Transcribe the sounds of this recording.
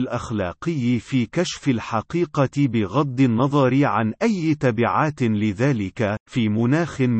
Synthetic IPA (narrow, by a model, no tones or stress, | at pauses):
lʔaxlɑ̰ːqɪjːfiːkaʃfalħɑqiːqɑbɪɣɑd̪ˤːɨnːɑðˤɑɾɪʕa̰nʔajːt̪abɪʕaːt̪lɪðaːlɪkafiːmʊnaːxɪm